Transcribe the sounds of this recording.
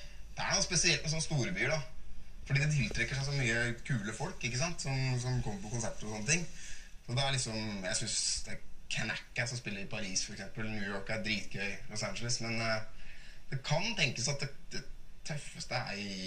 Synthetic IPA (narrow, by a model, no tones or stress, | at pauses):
d̪̥ɛæ̰ɛnɔspɛsɪɛlt̪mɛs̬ɔnːəst̪uːɾəbyːɖɑfɔɖiːd̪ɛt̪ʰɪlt̪ʰɾɛkːəʂæɪsɔmyːəkʰʉːləfɔlkɪkːəsɑnt̪sɔmsɔmkʰɔmːəɾpɔkʊnsæp̚t̪əɔsɔnːət̪ʰɪŋːsɔd̪ɛæɭɪksɔmjæɪsʏnsd̪ɛkʰænæ̰kːəsɔmspɪlːəɾɪpʰɑɾiːsfɔɾɛksɛmpəlnjʉːjɔːɹkæɾd̪ɾiːt̪̚ɡœʏlɔsænd͡ʒələsmɛn | d̪̥ɛkʰɑnt̪ʰɛŋkəsɑt̪̚d̪ɛd̪̥ɛt̪ʰœfəst̪əæ̰ɾ